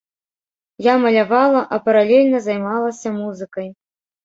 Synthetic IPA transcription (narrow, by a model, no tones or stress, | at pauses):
jamɐlʲavalˠɐʔɐpɐɾalʲɛlʲnɐzajmalˠɐsʲɐmuzɨkɐj